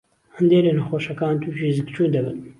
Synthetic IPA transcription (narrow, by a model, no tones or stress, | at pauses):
hɨnd̪eːɾeːnɨxoːʃɐkɑːnt̪ʰuʒiːzɨkt͡ʃʰuːnd̪ɐbɨ̰n